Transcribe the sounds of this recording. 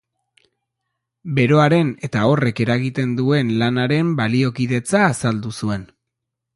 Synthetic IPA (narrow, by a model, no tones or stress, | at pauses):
be̞ɾo̞aɾe̞ne̞t̪ao̞re̞ke̞ɾaɣit̪e̞nd̪ue̞nlanaɾe̞mbalio̞kiðe̞t͡saːsald̪usue̞n